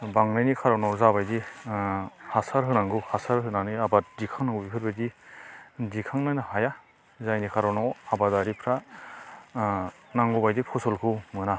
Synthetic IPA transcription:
baŋɾɯjnikʰaɾɔnɔwzabajdi | hasaɾɦɯnaŋɡɯhasaɾɦɯnanɯjabadikʰaŋnaŋɡubipʰɯɾbajdi | dikʰaŋnanaɦaja | zajnikʰaɾɔnɔwabadaɾipʰɾa | naŋɡɔbajdipʰɔsɔlkʰɯwmɯna

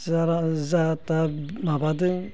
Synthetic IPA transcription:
zaɾazatamabad̪ɨ

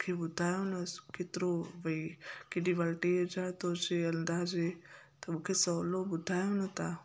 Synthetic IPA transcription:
kʰebʊd̪ʱaːjonɐkɪt̪ɾoʋɐikɪɖiʋəlʈed͡ʒat̪od͡ʒeənd̪aːd͡ʒet̪əmukʰesɔːlobʊd̪ʱaːjonɐt̪a

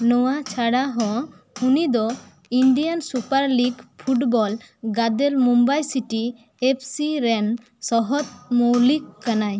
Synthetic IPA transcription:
nɔwat͡ʃʰaɽaɦɔ̃ | unid̪ɔ | iɳɖijansupaɾliɡpʰuʈbɔl | ɡad̪elmumbajsiʈi | epʰsiɾɛn | sɔɦɔt̪̚moliɡ̚kːanaj

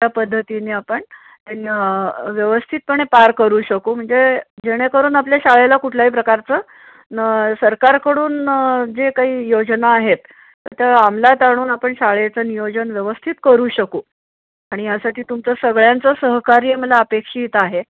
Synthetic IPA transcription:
apəd̪ʱːət̪ineːapəɳ | t̪an | ʋjəʋəst̪ʰiːt̪̚pəɳ̃epaɾkəɾuːɕəkoːm̤əɳd͡zed͡ʑeɽ̃ekəɾuːnapljaɕaɭelakuʈʰlaɦiːpɾəkaɾt͡sə | səɾkaɾkəɽuːnd͡zekaɦiːjod͡znaːɦet̪ː | əɾt̪jaam̤lat̪aɽ̃uːnapəɳɕaɭet͡sənijod͡zənʋjəʋəst̪ʰit̪kəɾuːɕəkuː | aɽ̃ijasaʈiːt̪umt͡səsəɡɭjant͡səsəɦkaɾiəməlaəpekʂiːt̪aɦe

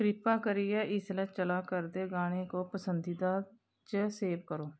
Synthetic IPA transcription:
kɾɪpaːkəɾɪjɛːɪslɛːt͡ʃəlaːkəɾd̪eːɡaːɽ̃eːkoːpəsənd̪iːd̪aː | t͡ʃseːbkəɾoː

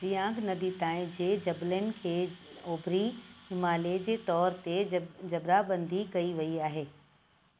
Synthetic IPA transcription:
t͡ɕijãːɡnɐd̪it̪ãːɪ̃d͡ʑeːd͡ʑɐblɪnɪ̆kʰeːoːbʱɾiɦɪmaːled͡ʑeːt̪ɔːɾt̪ed͡ʑɐbɾabɐ̃nd̪ʱikɐiʋɐiaːɦeː

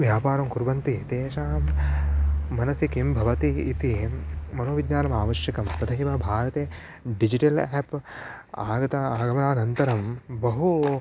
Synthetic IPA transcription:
ʋjaːpaːɾɐmkuɾʋɐnt̪it̪eːʃaːmː | ɐnɐsikimbʱɐʋɐt̪iːt̪imɐnoːʋid̪ɲaːnɐmaːʋɐʃjɐkɐmpɾɐd̪ʱɐɦimɐbʱaːɾɐt̪eː | ɖid͡ʒiʈɐleːp | aːɡɐt̪ɐaːɡɐmɐnaːnɐnt̪ɐɾɐmbɐɦu

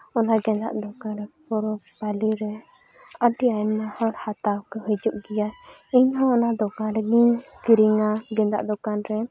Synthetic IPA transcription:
ɔnaɡɛ̃nd̪a̰ʔd̪ɔkanɾɛpɔɾɔpaliɾɛ | aɖianːahɔ̃hat̪awkɛɦud͡ʒuʔɡijaiɲɦɔ̃ɔnad̪ɔkanɾɛɡiɲkiɾiŋaɡɛ̃nd̪a̰ʔd̪ɔkanɾɛ

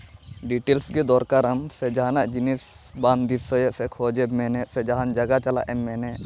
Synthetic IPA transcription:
ɖiʈeːlsked̪ɔːɾkaɾɐmsed͡ʒanaʔd͡ʒinisbaːnd̪isojesekʰoːd͡ʒemɛːnesed͡ʒɐɦand͡ʒɐɡat͡ʃɐla̰ʔɛmːɛːne

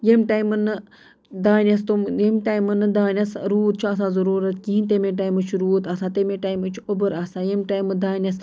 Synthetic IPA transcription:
jemʈaːjmɨnːɨ | d̪aːnʲɐs̬t̪umjemʈajmɨnɨd̪aːnʲɐsɾuːt̪̚t͡ʃʰuɐs̬ãːzɐɾuːɾɐt̪kiɦint̪emeʈ̬aːjmɨt͡ʃʰuɾuːt̪ɐsaːt̪emeʈaːjmɨt͡ʃʰuobɨɾaːsaːjemʈaːjmɨd̪aːnʲɐs

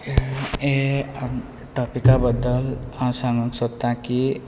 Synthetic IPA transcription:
e | ʈɔpikabəd̪əlãsãŋɡə̃ksot̪ãki

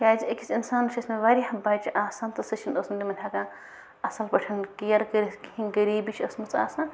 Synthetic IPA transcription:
kʲaːzekʰit͡sinsaːnt͡ʃʰʲɐsmeʋaːɾʲiɦɐbːaːt͡ʃʰiʔaːsaːnt̪ɐsɐt͡ʃʰinosmɐd̪ʲimɐnʲʰaːkã | ɐsɐlpɐʈʰɐnkijɐɾkɐɾiskiɦĩɡɐɾiːbit͡ʃʰɐsmut͡sʰa̰ːsaːn

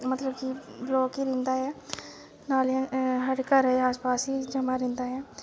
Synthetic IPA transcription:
mət̪ləbkiblɔːkiɾɪ̃nd̪aɦɛː | naːlə̃ɦəʈkəɾɛɛaːspaːsid͡ʒəmaɾɪ̃nd̪aɦɛː

